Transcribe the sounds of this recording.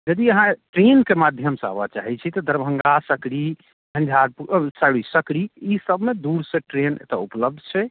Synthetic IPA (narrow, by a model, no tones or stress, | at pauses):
d͡ʒəd̪iəɦãʈɾenkemad̪ʱjəmsa̰bat͡ʃa̰ɦɛt͡ʃʰit̪ɔd̪ʱəɾbʱəŋɡasəkɾi | bʱə̃nd͡ʒʱaɾpusaɽisəkɾiisəbʱmed̪uɾsẽʈɾenḛt̪a̰upləb̚d̪ʱt͡ʃʰɛ